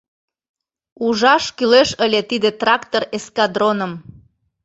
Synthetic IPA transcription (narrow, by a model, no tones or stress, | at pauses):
uʒɑʃkyleʃəlʲet̪id̪et̪rɑkt̪oɾeskɑd̪ɾonəm